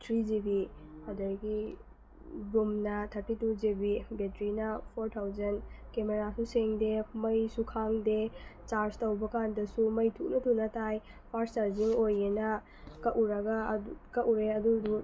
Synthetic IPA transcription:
tʰɾid͡ʒibiɐdɐɾɡi | dumnɐtʰɐɾtitud͡ʒebibetɾinɐpʰoɾtʰawzɐnkemeɾasuseŋdemɐjsukʰaŋdet͡ʃaɾstɐwbɐkandɐsumɐjtʰuk̚nɐtunɐtaj | pʰaɾst͡ʃaɾziŋojenɐ | kɐʔuɾɐɡɐkɐʔuɾeɐdudu

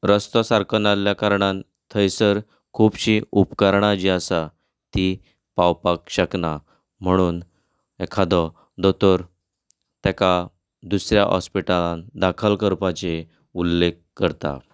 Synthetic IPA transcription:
ɾəst̪ɔsaɾkʰənaljakaɾɳan | t̪ʰəjsəɾ | kʰuːbɕiupkaɾɳ̃ad͡ʑiasa | t̪i | pawpakɕəkna | m̤əɽ̃uːn | ɛkʰad̪ɔ | d̪ɔt̪ɔɾ | t̪ɛka | d̪usɾja̰ʔɦɔ̰spiʈalãnd̪akʰəlkəɾpat͡ɕe | ulːek | kːəɾt̪a̰

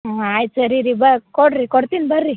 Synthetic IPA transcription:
ajt͡səɾiɾibəkɔɽɾikɔɽt̪inbəɾːi

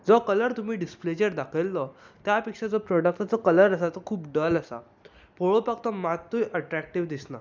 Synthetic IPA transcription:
d͡zɔkələɾt̪um̤iːɖispled͡ʑəɾd̪akʰəlːɔt̪japikʂad͡zɔpɾɔɽək̚t̪at͡sɔkələɾəsat͡sɔkʰuːpɖələsa̰ | poɭopakt̪ɔmat̪ːujʔəʈɾæk̚ʈiʋd̪isna̰

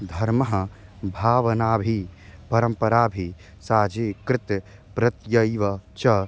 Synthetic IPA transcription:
d̪ʱɐɾmɐɦɐbʱaːʋɐnaːbʱipɐɾɐmpɐɾaːbʱi | saːd͡ʒekɾɪt̪ | pɾɐt̪jɐjʋɐt͡ʃɐ

